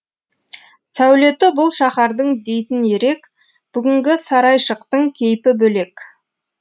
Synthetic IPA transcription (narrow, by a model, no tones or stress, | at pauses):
sæwle̞t̪ɪbʊlˠʃɑχɑɾd̪əɴd̪e̞jt̪ɪne̞ɾe̞k | b̥ʏɡʲɪŋɡʲɪsɑɾɑjʃəqt̪əɴkʲʰe̞jpɪbɵle̞k